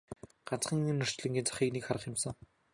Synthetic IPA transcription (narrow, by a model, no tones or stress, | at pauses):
ɢ̥an̥t͡sχə̆ŋinɵr̥t͡ɕɮɘ̆ŋɡʲiːnt͡sʰḁχiːknekχaɾə̆χjɪ̆msə̆ŋ